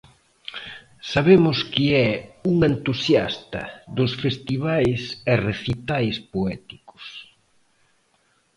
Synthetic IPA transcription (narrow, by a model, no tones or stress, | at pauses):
saβemʊskiɛuŋent̪usjast̪ɐ̰ðʊsfest̪iβajsereθit̪ajspoɛt̪ikʊ̥s